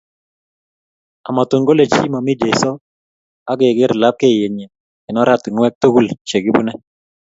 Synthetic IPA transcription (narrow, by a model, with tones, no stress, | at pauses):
a˨ma˨t̪u˨ŋɡo˦le˨t͡ʃi˦ma˨mɪ˦d͡ʒe˨sɔ˦ | a˦ɡe˨ɡɪ˦ɾla˦p̚ke˦˨je˨ɲe˨ | ɪ˨nɔ˦ɾa˦t̪ɪ˨nwɛ˦k̚t̪o˦ɡu˦˨lt͡ʃe˨ɡɪ˦bu˦nɛ˦